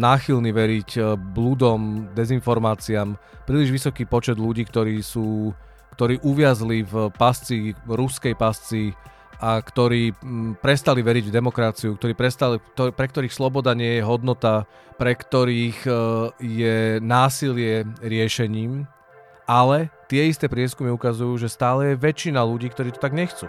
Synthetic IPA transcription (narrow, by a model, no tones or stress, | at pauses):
naːxilniʋɛɾicblud̪ɔmd̪ɛzinfɔɾmaːt͡siam | pɾiːliʒʋisɔkiːpɔt͡ʃɛd̪luɟiːk̚t̪ɔɾiːsuː | kt̪ɔɾiːʔuʋɪazlivpast͡siɾuskɛjpast͡si | akt̪ɔɾiːpɾɛst̪aliʋɛɾiɟvd̪ɛmɔkɾat͡siukt̪ɔɾiːpɾɛst̪alit̪ɔpɾɛk̚t̪ɔɾiːxslɔbɔd̪aɲɪɛjɛɦɔd̪nɔt̪a | pɾɛkt̪ɔɾiːɣ | jɛnaːsilɪɛɾɪɛʃɛɲiːm | ʔalɛt̪ɪɛist̪ɛːpɾɪɛskumiukazujuːʒɛst̪aːlɛjɛʋɛt͡ʃinaluɟiːkt̪ɔɾiːt̪ɔ̥t̪aɡɲɛxt͡sṵː